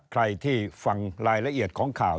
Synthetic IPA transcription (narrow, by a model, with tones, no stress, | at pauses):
kʰɾa˧jt̪ʰiː˥˩fa˧ŋɾaː˧jɾa˧ʔi˨˩ət̪̚kʰɔː˩˦ŋkʰaː˨˩w